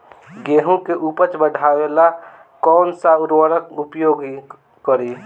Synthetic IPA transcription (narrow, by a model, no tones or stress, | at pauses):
ɡeɦũkeʔupət͡ʃbəɖʱawela | kɔːnsauɾwəɾəkupjoɡ | kəɾi